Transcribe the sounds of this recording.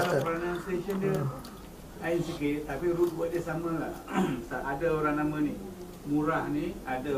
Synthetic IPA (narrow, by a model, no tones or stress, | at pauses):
alapɾanãnst̪eʃəndiə | ainsəkit̪apiɾut̪̚baʔ̚diəsaməlahsaʔadəoɾaŋnamani | muɾahniadə